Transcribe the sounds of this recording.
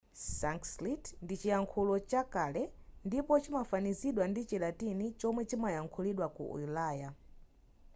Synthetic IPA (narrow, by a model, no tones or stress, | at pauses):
saŋkslitndit͡ʃijaŋkʰulɔt͡ʃakalɛndipɔt͡ʃimafaniziɗwandit͡ʃilatinit͡ʃɔmwɛt͡ʃimajaŋkʰuliɗwakṵṵilaːja